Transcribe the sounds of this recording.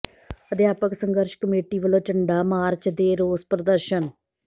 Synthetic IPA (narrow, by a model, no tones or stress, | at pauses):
əd̪jaːpəksəŋɡəɾʃkəmeːʈiːʋəlõːt͡ʃəɳɖaːmaːɾt͡ʃd̪eːɾoːspɾəd̪əɾʃən